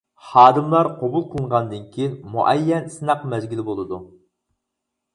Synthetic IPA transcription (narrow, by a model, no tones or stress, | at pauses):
χɑːd̪ɨmlˠɑɾqʰobulˠqʰəlˠəɴʁɑnd̪ɨnkʲʰijnmuʔɛjːɛnsɨnɑqmɛzɡʲilbolˠɨd̪u